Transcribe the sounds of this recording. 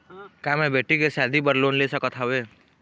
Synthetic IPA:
kamẽbʱeʈikesad̪ʱibəɾlonlesɔkɔt̪ʰawe

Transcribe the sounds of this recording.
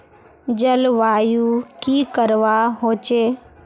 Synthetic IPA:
d͡ʒəlʋaːjuːkiːkəɾʋaɦoːt͡ʃeː

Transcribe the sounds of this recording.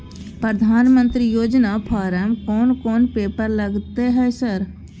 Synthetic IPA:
pɾəd̪ʱaːnmə̃nt̪ɾijoːd͡ʒnapʰaːɾəmkɔːnkɔːnpeːpəɾləɡt̪eɦɛːsəɾ

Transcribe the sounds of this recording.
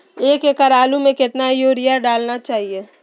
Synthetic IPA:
eːkekɐɾaːlumẽkɪt̪najoːɾijaɖaːlnat͡ʃaːɦieː

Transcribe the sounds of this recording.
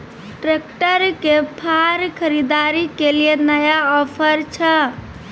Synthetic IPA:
ʈɾek̚ʈəɾkepʰaɾkʰəɾid̪aɾikelienəjaɔpʰəɾt͡ʃʰə

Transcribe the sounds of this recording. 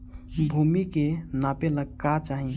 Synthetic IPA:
bʱumikenapeləɡkat͡ʃaɦĩ

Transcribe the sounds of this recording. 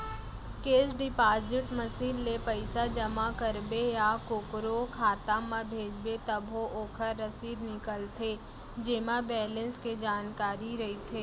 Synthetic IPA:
keːsɖɪpaːzɪʈmɐsiːlːepəɪsad͡ʒɐmakəɾbejakʊkɾokʰaːt̪amãbʱeːd͡ʒbet̪ɐbɦoʔoːkʰəɾːɐsiːd̪nɪkəlt̪ʰe | d͡ʒeːmabɛːlə̃nsked͡ʒaːnkaːɾiɾɐɦit̪ʰeː

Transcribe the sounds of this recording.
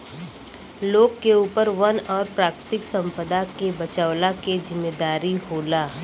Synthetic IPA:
loːɡ̚keuːpəɾʋɐnɔːɾpɾaːkɾət̪ɪksɐ̃mpəd̪akebɐt͡ʃaːʋlakezɪmːeːd̪aːɾiɦoːlaː

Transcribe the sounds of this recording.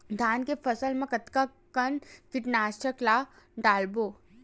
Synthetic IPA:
d̪ʱaːnkefɐsəlmẽkɐt̪kakɐnkɪʈnaːst͡ʃəkla | ɖaːlboː

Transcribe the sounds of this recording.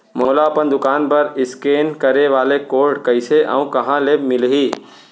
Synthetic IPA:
moːlaəpənd̪ʊkaːnpəɾɪskeːnkəɾeʋaːlekoːɾɖkəɪseʔə̰ũkɐɦãleːmɪlɦiː

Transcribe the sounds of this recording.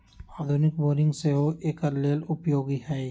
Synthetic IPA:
aːd̪ʱʊnɪkboːɾɪ̃ŋɡseoʔeːkəɾleːlʊpjoːɡiɦɛː

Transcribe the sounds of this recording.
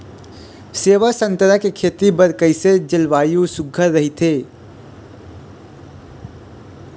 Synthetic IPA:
seːʋasə̃nt̪əɾakekʰeːt̪ibəɾkəɪsed͡ʒɪlʋaːjũsʊɡʱəɾːɐɦit̪ʰeː

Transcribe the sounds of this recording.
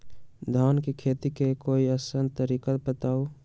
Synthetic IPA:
d̪ʱaːnkekʰeːt̪ikekoːiəsənd̪t̪əɾiːkabət̪aːu

